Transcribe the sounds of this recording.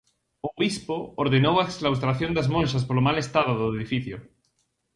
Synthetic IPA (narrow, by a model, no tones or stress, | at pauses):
oβispooɾðenowaeksklawst̪ɾaθjõnd̪azmõnʃaspolomalest̪aðoðoeðifiθjo